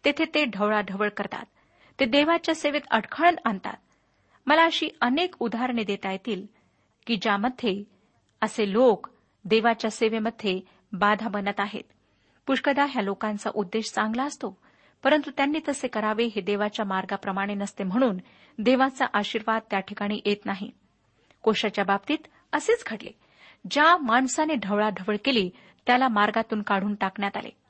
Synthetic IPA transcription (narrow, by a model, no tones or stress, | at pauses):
t̪et̪ʰet̪eɖʱəʋɭaɖʱəʋəɭkəɾt̪a̰t̪ː | ed̪eʋat͡ɕjaseʋet̪ə̰ɽkʰəɭənant̪a̰t̪̚ | məlaəɕiːʔənekud̪ʱaɾɳid̪et̪ajet̪iːl | kiːd͡ʑjaməd̪ʱje | əselok | d̪eʋat͡ɕjaseʋeməd̪ʱːje | bad̪ʱabənət̪aɦḛt̪ | puʂkəd̪aɦjalokãnt͡sa̰ʔud̪ːeɕt͡sãŋɡlaəst̪o | pəɾənt̪ut̪janːiːt̪əsekəɾaʋeɦed̪eʋat͡ɕjamaɾɡapɾəmaɽ̃enəst̪em̤əɽ̃uːn | d̪eʋat͡sa̰ʔaɕiːɾʋad̪̚t̪jaʈʰikaɽ̃iːʔet̪naɦḭ | koɕat͡ɕjabab̚t̪iːt̪ | əseːt͡sɡʱəʈlḛ | d͡ʑamaɳsaneɖʱəʋɭaɖʱəʋəɭkeliː | t̪jalamaɾɡat̪uːnkaɽ̤uːnʈakɳjat̪a̰lḛ